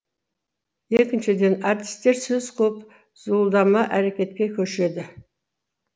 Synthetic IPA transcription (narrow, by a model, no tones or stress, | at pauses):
e̞kʲɪnʃɪd̪e̞nɑrt̪i̥st̪e̞ɾsɵzqʰɵp | z̥ulˠd̪ɑmɑʔæɾe̞kʲe̞t̪kʲe̞kʲʰɵʃe̞d̪ɪ